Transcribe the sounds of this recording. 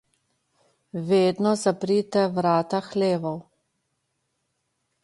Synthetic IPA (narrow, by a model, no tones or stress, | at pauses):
ʋeːd̪nɔzapɾit̪ɛʋɾaːt̪axleːʋɔw